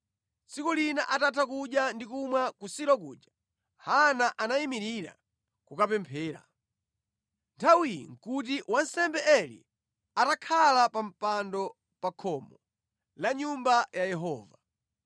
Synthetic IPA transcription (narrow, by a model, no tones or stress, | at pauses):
t͡sikulinaʔatatʰakuɗjandikumwakusiɾɔk̬ṵːɗa | hanaʔanaimiɾiɾa̰ | kukapɛmpʰɛːɾa̰ | ntʰawijḭŋ̩kut̬iwansɛmbɛʔɛlḭ | atakʰalapam̩pandɔ | pakʰɔmɔ | laɲumbajajɛɦɔːva